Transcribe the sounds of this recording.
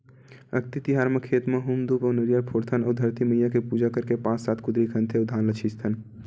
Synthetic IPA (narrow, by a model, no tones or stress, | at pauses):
ə̰kt̪it̪ɪɦaːɾmẽkʰeːt̪mẽɦumd̪upɔnəɾjaɾpʰoːɾt̪ʰənɔːɾd̪ʱɐɾt̪imɐijakepuːd͡ʒakəɾkepãːssaːt̪ʰkʊd̪ɾikʰə̃nt̪ʰed̪ʱaːnlət͡ʃʰist̪ʰən